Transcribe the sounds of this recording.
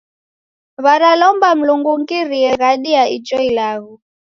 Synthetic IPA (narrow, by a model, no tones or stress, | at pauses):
βaɾalɔmbam̩luŋɡuŋkiɾiɛɣaɗiait͡ʃɔilaɣu